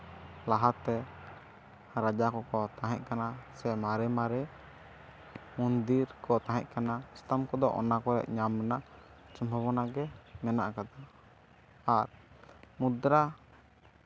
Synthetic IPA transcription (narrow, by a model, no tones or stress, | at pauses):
laɦat̪ːɛ | ɾad͡ʒakɔkɔt̪aɦɛc̚kanasɛmaɾɛmaɾɛ | mund̪iɾkɔt̪ãɦɛc̚kanaist̪amkɔd̪ɔʔɔ̰nakɔɾɛ̰ʔ̚ɲamːɛnaʔt͡ʃɔmbʱɔβɔnaɡɛmɛna̰ʔkad̪a | aɾ | mud̪ɾa